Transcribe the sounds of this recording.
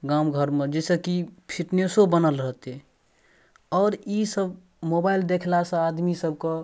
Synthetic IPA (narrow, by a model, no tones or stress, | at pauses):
ɡamɡʱəɾmed͡ʒɛsəkipʰiʈnesobənəlɾəɦt̪e | ɔːɾisəb | mobaild̪ekʰlasə̃ad̪misəb̚ʱkə